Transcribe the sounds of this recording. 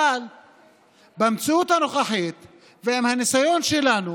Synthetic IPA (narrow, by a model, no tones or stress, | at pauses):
al | bamt͡siut̪hanoχaħit̪ | veemhanisajo̞nʃelanu